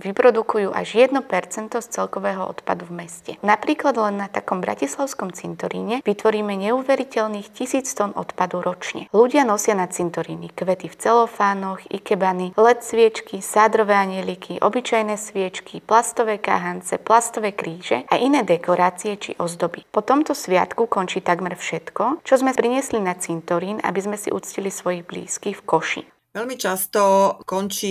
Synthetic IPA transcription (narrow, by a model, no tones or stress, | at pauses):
ʋipɾɔd̪ukujuːʔa̰ʒjɛd̪nɔpɛɾt͡sɛnt̪ɔst͡sɛlkɔʋɛːɦɔʔɔ̰t̪pa̰d̪uvmɛscɛnapɾiːklad̪lɛnːat̪akɔmbɾa̰cislaʊskɔmt͡sint̪ɔɾḭːɲɛʋit̪ʋɔɾiːmɛɲɛuːʋɛɾicɛlniːxcisiːt͡st̪ɔnɔ̰t̪pad̪uɾɔt͡ʃɲɛ̰luɟɪanɔsɪanat̪t͡sint̪ɔɾiːnikʋɛt̪ift͡sɛlɔfaːnɔɣḭkɛbanilɛt̪sʋɪɛt͡ʃkisaːd̪ɾɔʋɛːaɲɛlikʰiʔɔ̰bit͡ʃajnɛsʋɪɛt͡ʃkʰiplast̪ɔʋɛːka̰ɦant͡sɛplast̪ɔʋɛːkɾiːʒ̥ɛaʔinɛːd̪ɛkɔɾaːt͡siɛt͡ʃḭʔɔzd̪ɔbipɔt̪ɔmt̪ɔsʋɪa̰t̪kukɔnt͡ʃiːt̪aɡmɛɾfʃɛt̪kɔt͡ʃɔzmɛpɾiɲɪɛslinat͡sint̪ɔɾiːna̰bizmɛsḭʔṵt͡scilisʋɔjiɣblḭːskiːxfkɔʃḭːn | ʋɛlmit͡ʃast̪ɔkɔnt͡ʃiː